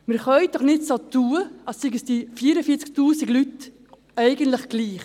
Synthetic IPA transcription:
mɪɾχœʏd̥ɔχnɪtsot̪uːəɑsːɪɡəsd̥ifiːɾəfiːt͡sk̚tuːsiɡlyt | ɛɪɡəntləχɡ̥liːχ

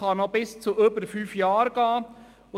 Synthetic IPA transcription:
ɑmɔbɪst͡suøbəɾfyːfjɑːɾɡ̥ɑː | ʊ

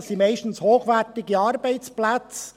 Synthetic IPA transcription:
simɛɪʃtn̩shoːχʋɛɾtɪɡəɑːɾbɛɪt͡splat͡s

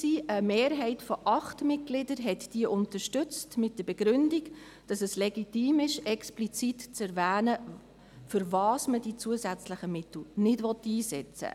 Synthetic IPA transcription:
siːəmeːɾɦɛɪtfɔʔɑχtmɪt̚ɡ̥lɪdəɾɦɛtd̥iəʔʊntəɾʃtʏt͡stmɪt̚d̥əb̥ɛɡ̥ɾʏndiɡ | d̥ɑsɛslɛɡitiːmɪʃɛksplit͡sitt͡sɛɾvæːnə | fʏɾvɑːsmədit͡suəzæt͡sləχəmɪtl̩nɪdʋɔtːiːsɛ̰t͡sə̰

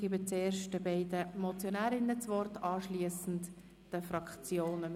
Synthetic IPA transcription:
ɡ̥iːbət͡seːɾʃtəbɛɪdəmɔt͡sjonæːɾɪnət͡sʋɔrtɑːʃliəsn̩t | d̥əfɾɑkt͡sjoːnə

